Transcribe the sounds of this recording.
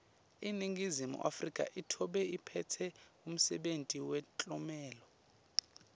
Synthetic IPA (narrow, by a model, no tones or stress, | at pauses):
iniŋɡizimṵʔa̰frikʼa̰ʔitʰɔɓɛipʰɛtʰɛum̩sɛɓentʼiwɛt͡ɬʼɔmɛːlɔ